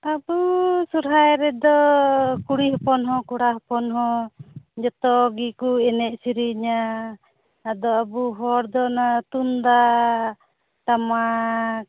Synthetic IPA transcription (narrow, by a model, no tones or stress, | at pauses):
abusuɾɦajɾɛd̪ɔkuɽiɦɔpɔnɦɔkuɽaɦɔpɔnɦɔ | d͡ʒɔt̪ɔɡikuɛnɛʔ̚siɾiɲa | ad̪ɔabuɦɔɾd̪ɔnat̪und̪a | t̪ama